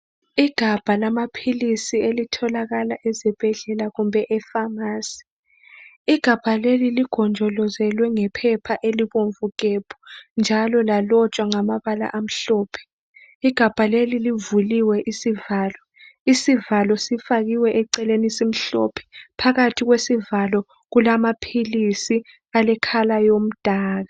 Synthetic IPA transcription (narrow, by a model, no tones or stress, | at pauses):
iɡ̥ʱab̥ʱalamapʰilisielitʰɔlaɣalaʔɛzɛb̥ʱɛɮɛlaɣumbʱɛʔɛfamaːsi̥ | iɡ̥ʱab̥ʱaleliliɡ̥ʱɔnd͡ʒʱɔlɔzɛlwɛŋɛpʰɛpʰaʔeliβoɱvuɣʼeb̥ʰʱɔ̥nd͡ʒʱalɔlalɔt͡ʃʼwaŋamaβala̰ʔam̩ɬɔːpʰɛ̥ | iɡ̥ʱab̥ʱalelilivuliwɛʔisivaːlɔ | isivalɔsifaɣiwɛʔɛǀɛlenisim̩ɬɔ̰pʰɛ̥pʰaɣatʰiɣwesivalɔ | ɣulamapʰilisi | alɛkʰalajom̩d̥ʱaːɣa